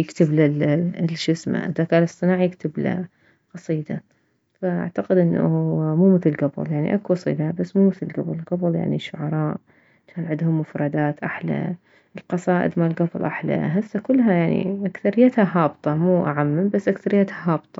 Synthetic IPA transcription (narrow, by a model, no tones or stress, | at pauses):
jɪkt̪ɪblalʃɪsma̰ʔɪðakaːlɨsˤːɨnaːʕjɪkt̪ɪbla̰ | qɑsˤiːd̪a | faʔa̰ʕt̪aqɪd̪ʔɪnːamuːmɪθɪlɡabʊ̰ljaʕnḭʔakwɑsˤḭːd̪abasːmuːmɪθɪlɡabllɡablja̰ʕniʃːʊʕɑɾˤɑːʔ | t͡ʃaːnʕɪd̪hʊmːʊfɾˤɑd̪aːt̪ʔaħla̰ | ʔɪlqɑsˤɑːʔɪ̰d̪malɡɑflʔaħla̰ɦasːakʊlːɦajaʕnḭʔakθaɾɪjːat̪haɦɑːbt̪ˤɑmuːʔaʕamːambasːʔakθaɾɪjːat̪haɦɑːbt̪ˤɑ̥